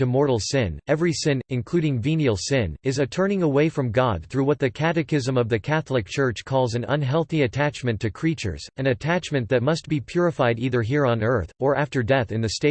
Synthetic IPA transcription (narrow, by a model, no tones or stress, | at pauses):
tɨmɔɹɾl̩ˠsɪ̃nɛvɹisɪ̃nɨ̃nkʰl̥ʉɾɪ̃ŋvĩnil̩ˠsɪ̃nɨzɨtʰɜ̃˞nɪ̃ŋəweɪfɹʌ̃mɡɑd̪̥̚θɹuwʌt̪̚ðɨkʰæɾɨkɪzə̃mʌvðɨkʰæθl̩ˠək̚t͡ʃʰɜ˞t͡ʃkʰɔlˠzɨ̃nʌ̰̃nɦɛlˠθiɨtʰæt͡ʃmɨ̃ntʰɨkʰɹ̥it͡ʃə̰˞z̥ɨ̃nɨtʰæt͡ʃmɨ̃nðɨt̚mʌst̚b̥ipʰj̥ʊɹɨfaɪɾiðə˞ɦiɹə̃nɜ˞θə˞ʔæftə˞dɛθɨ̃nðɨsteɪ